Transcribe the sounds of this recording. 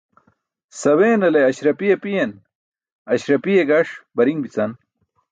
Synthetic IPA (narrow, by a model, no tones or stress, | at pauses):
sɐweːnɐleɐɕɾɐpijepijen | ɐɕɾɐpijeɡɐʂbɐɾiŋbit͡sɐn